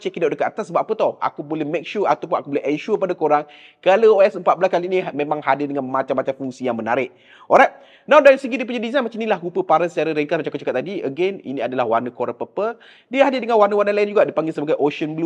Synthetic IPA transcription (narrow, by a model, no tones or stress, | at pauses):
t͡ʃikidaʔdəkat̪at̪asəbap̚ʔapət̪ɔha̰kubolɛhmek̚ʃua̰t̪awp̬unakubolɛʔɛnʃupadakoɾaŋ | kalaoɛsəmpat̪̚blaskalinimẽmãŋhadɪrdəŋanmat͡ʃamːat͡ʃamfuŋsijaŋmənaɾɪʔ | ʔɔɾak̚ | nawdaɾisəɡidip̬uɲadizajnmat͡ʃaminilahkupəpaɾənsət͡ʃaɾəɾɛŋkasmat͡ʃamkət͡ʃəkat̪ːadiəɡɛnḭniadalahwarnəkoɾaŋpəpə | diəɦadɪrdəŋanwarnəwarnəlaɪnd͡ʒuɡaʔdipaŋɡɪlsəbaɡajʔoʃənblu